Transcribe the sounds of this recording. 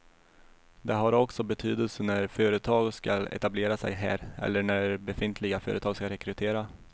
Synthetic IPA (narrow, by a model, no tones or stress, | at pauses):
d̪ɛɦaɾɔksɔbɛt̪ʰyːd̪əlsənæɾfœːɾət̪ʰɑːɡskalɛ̰t̪ableːɾasɛ̰jɦæ̰ːɾɛ̰lːəɳæɾbɛfɪnt̪ʰlɪɡafœ̰ːɾət̪ɑːɡskaɾɛkʰɾɵt̪ʰeːɾa